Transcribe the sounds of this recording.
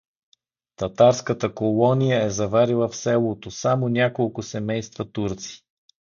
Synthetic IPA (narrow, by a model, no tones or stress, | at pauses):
t̪ɐt̪aɾskət̪əkolˠɔnijəɛzɐvaɾilˠəfsɛlˠot̪osamonʲakolˠkʊsɛmɛjst̪vət̪uɾt̪si̥